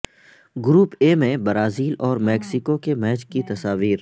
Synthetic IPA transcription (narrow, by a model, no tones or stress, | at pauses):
ɡʊɾuːpemẽbəɾaːziːlɔːɾmɛːksɪkokemɛːt͡ʃkit̪ɐsaːʋiːɾ